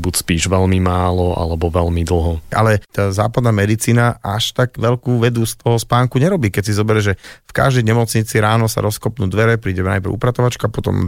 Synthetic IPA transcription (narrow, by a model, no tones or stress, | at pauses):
bucspiːʒʋɛlmimaːlɔʔa̰lɛbɔʋɛlmid̪l̩ɦɔʔa̰lɛt̪aːza̰ːpad̪naːmɛd̪it͡siːnaʔaʃt̪aɡʋɛʎkuːʋɛd̪ust̪ʰɔɦɔspaːŋkuɲɛɾɔbiːkɛcsizɔbɛɾɛʒɛfka̰ʒd̪ɛjɲɛmɔt͡sɲit͡siɾaːnɔsa̰ɾɔskɔpnuːd̪ʋɛɾɛpɾiːɟɛmna̰jpɾɛṵpɾat̪ɔʋat͡ʃkuapɔt̪ɔ̰m